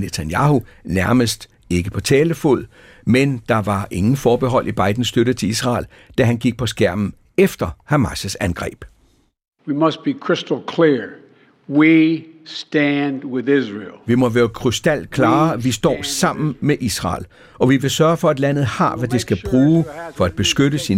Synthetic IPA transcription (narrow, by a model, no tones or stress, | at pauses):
net͡sʰænjɑ̈hu | næɐməsd̥ | e̝ɡ̥əpʰɒ̽t͡sʰɛːləfo̝ð̰ˠ | mend̥ɑ̈ʋɑ̈ʔe̝ŋn̩fɒːb̥e̝ɦɒ̽l̰ʔib̥ɑ̈ɪd̥n̩sd̥øɾət͡sʰe̝isʁɑ̰̈ːl | d̥æɦænɡ̥iɡ̥̚pʰɒ̽sɡ̥æɐ̰mn̩ | efd̥ɐhæmɑsəsænɡ̥ʁɛ̰ːb̥ | wimʌs̚b̥ikʰɹ̥ɪstl̩ˠkʰl̥iɹ | wistæ̃ndwɪðɪzɹḭlˠʋimɒ̽ʋeːɐkʰʁysd̥æl̰kʰlɑ̈ːɐʋisd̥ɒ̰ːsɑ̈m̰n̩meʔisʁɑ̰̈ːl | ɒ̽ʋiʋe̝sɶɐfɒ̽æd̥læn̰ð̩ˠhɑ̈ʋæd̥esɡ̥æb̥ʁuːfɒ̽æd̥̚b̥e̝sɡ̥øɾəsi